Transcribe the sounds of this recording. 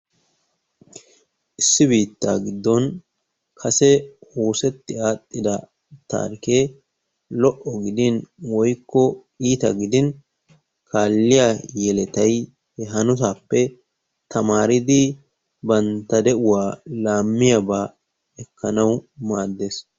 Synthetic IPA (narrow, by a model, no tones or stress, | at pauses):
ʔɪsːɪbiːt̪ːa̰ːɡɪd̪ːɔn | kʰɐsɛhoːsɛt̪ːɪaːt̪ʼːɪd̪ɐ | t̪a̰ːɾkeː | lɔʔɔɡɪd̪ɪnwɔjkːɔ | iːt̪ɐ̰ɡɪd̪ɪn | kʰaːlːɪjajɛlɛt̪ɐj | hɛɦɐnʊt̪̬aːpːɛ | t̪ʰɐmaːɾɪd̪ɪ | bɐnt̪ːɐd̪ɛʔʊwaːlaːmːɪjɐbaː | ɛkʰːɐnɐwmaːd̪ːeːs